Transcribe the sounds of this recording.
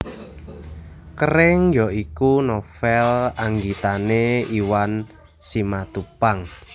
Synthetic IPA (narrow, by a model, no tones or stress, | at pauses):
kəɾɪŋjɔikunofɛlaŋɡit̪aneiwan | simat̪upaŋ